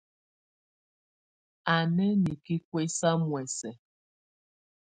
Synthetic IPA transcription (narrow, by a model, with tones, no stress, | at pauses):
a˨nɛ˦ni˨ki˦kwe˦sa˦mwɛ˨sɛ˨